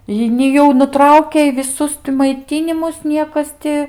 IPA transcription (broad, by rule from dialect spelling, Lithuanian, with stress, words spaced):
ˈjɛɪ nʲɪ ˈjɛʊ nʊˈtrɐʊkʲɛɪ ʋʲɪˈsʊs tʲɪ mɐɪˈtʲiːnʲɪmʊs ˈnʲiɛkɐs tʲɪ